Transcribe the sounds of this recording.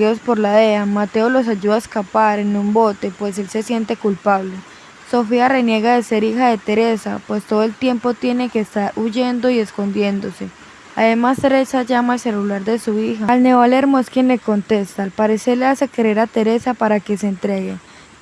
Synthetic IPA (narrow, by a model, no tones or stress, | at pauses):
iðo̞spo̞ɾlaðeamat̪e̞olo̞s̬aʝuðaeskapaɾe̞numbo̞t̪e̞pwe̞se̞lse̞sje̞nt̪e̞kulpaβle̞ | so̞fiare̞nje̞ɣaðe̞se̞ɾixaðe̞t̪e̞ɾe̞sa̰pwe̞st̪oðoelt̪je̞mpo̞t̪je̞ne̞ke̞ːst̪aɾuʝe̞nd̪o̞ie̞sko̞nd̪je̞nd̪o̞se̞ | aðe̞mast̪e̞ɾe̞saʝamaelse̞lulaɾd̪e̞suixalne̞βale̞ɾmo̞e̞skje̞nle̞ko̞nt̪e̞st̪aːlpaɾe̞se̞ɾle̞ase̞keɾeɾat̪e̞ɾe̞sapaɾake̞seːnt̪ɾe̞ɣe